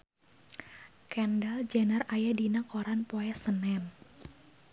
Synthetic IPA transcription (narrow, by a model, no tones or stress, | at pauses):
kɛndald͡ʒanərajadinakoɾanpɔɛsənɛn